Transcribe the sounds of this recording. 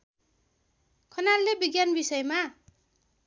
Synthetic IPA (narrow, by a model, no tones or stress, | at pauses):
kʰʌnarlebiɡjanbisʌjma